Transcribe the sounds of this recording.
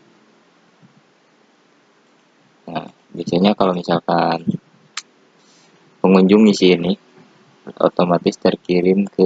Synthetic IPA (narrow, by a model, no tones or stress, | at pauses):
na | biasaɲakalowmisalkan | pəŋuɲd͡ʒʊŋisiːni | o̰t̪omat̪ɪst̪ərkiɾɪmkə